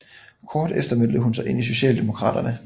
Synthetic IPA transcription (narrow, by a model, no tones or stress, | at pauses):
kʰɒːd̥efd̥ɐmel̰d̥əɦunsɑ̈ɪʔe̝n̰is̬o̝ɕɛ̰ːld̥e̝mo̝kʰʁɑ̰̈ːd̥ɐnə